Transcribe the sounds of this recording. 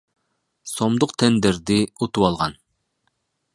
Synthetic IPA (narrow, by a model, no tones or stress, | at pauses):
somd̪ʊqt̪ʰɛnd̪ɪɾd̪ɪut̪uwɑlˠʁɑn